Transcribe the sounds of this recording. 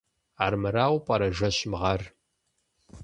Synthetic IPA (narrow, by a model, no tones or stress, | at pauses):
aːrmɨɾaːwpʼɐɾɐʒɐɕmʁɐr